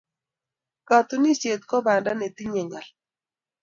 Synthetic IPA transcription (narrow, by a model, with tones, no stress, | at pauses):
ka˨t̪ʊ˦ni˦ʃe˨t̪̚kɔ˦ba˨nda˦ne˨t̪i˦ɲɛ˨ŋa˨l